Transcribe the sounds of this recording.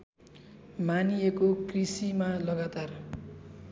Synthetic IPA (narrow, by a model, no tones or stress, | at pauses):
manijekokrisimalʌɡat̪ar